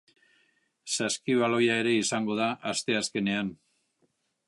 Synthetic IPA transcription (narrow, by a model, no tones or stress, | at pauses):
saskiβalo̞jaeɾe̞isaŋɡo̞ð̞aʔast̪e̞aske̞ne̞an